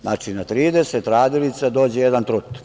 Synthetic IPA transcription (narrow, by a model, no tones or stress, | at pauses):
znaːt͡ʃinat̪ɾiːd̪eset̪ɾaːd̪ilit̪sad̪o̞ːd͡ʑejed̪ant̪ɾut̪